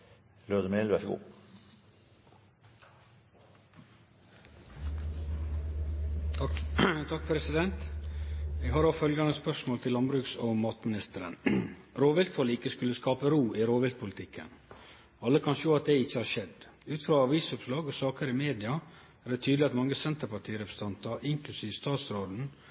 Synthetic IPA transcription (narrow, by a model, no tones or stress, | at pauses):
lød̪əmelʋæʂəɡṵː | t̪ʰɑk̚pʰɾɛsɪd̪ɛnt̪ | eːɡhɑɾofœlɡɑnəspœʂmoːlt̪ʰɪlɑnbɾʉːksɔmɑːt̪mɪnɪst̪əɾə̰nɾoːʋɪlt̪fɔlɪkəskʉləskɑːpəɾuːʔɪɾoːʋɪlt̪̚pʰʊlɪt̪ʰɪkʰːə̰n | ɑlːəkʰɑnʃoːɑt̪̚d̪ɛɪçːəhɑʂɛd̪ | ʉːt̪fɾɑːɑʋiːsʊpslɑːɡosɑːkəɾɪmeːd̪ɪɑ | æːɖɛt̪ʰyːd̪lɪɑt̪mɑŋːəsɛnt̪əɾpɑʈʰiːɾɛpʰɾəsət̪ɑnt̪ɑɾʔɪŋklʉsiːʋəst̪ɑːt̪sɾoːd̪n̩